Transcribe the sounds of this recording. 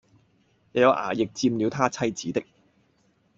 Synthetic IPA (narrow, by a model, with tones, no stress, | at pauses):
jɐ˨˧jɐ˨˧wʔa̰ː˨˩jɪ˨k̚t͡siː˧mliː˨˧wt̪ʰaː˥t͡sʰɐ˥jt͡siː˨˥t̪ɪ˥k̚